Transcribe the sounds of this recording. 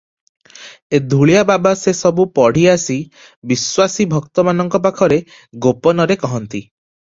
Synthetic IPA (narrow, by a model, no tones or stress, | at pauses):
ed̪ʱuɭijababasesɔbupɔɽ̤iasi | biswasibʱɔkt̪ɔmanɔŋkɔp̬akʰɔɾe | ɡopɔnɔɾekɔɦɔnt̪i